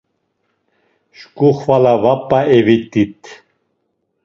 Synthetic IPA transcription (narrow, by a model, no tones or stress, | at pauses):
ʃkʼuχvalavapʼːaɛvit̪ʼit̪ʼʰ